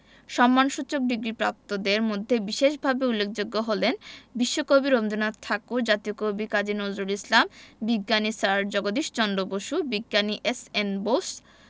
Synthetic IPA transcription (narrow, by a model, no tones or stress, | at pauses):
ʃɔmːanʃut͡ɕok̚ɖiɡɾipɾa̰p̚t̪od̪eɾmod̪ʱːebiʃeʃbʱabeulːek̚ʰd͡ʑoɡːoɦolenbiʃːokobiɾomd̪unat̪t̪ʰːakud͡ʑat̪iokobikad͡ʑinozɾuɾislambiɡːanisaɾd͡ʑɔɡod̪iʃt͡ɕɔnɖoboʃubiɡːaniʔesenbos